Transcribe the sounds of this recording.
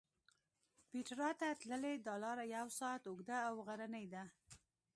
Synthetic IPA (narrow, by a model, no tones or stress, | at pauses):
piʈɾɑt̪at̪ləled̪ɑlɑɾajawsɑt̪ʊɡd̪aːwɣaɾanəjd̪a